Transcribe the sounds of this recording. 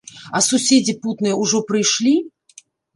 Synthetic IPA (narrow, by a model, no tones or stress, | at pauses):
ɐsusʲed͡zʲiput̪nɨjɐuʐɔpɾɨjʂlʲi